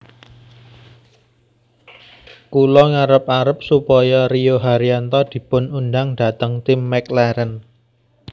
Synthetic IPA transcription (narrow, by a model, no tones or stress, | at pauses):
kulɔŋaɾəpaɾəp̚supɔjɔɾioɦaɾiant̪ɔd̪̥i̤pʊnundaŋɖ̥a̤t̪əŋt̪ɪmːɛklɛɾən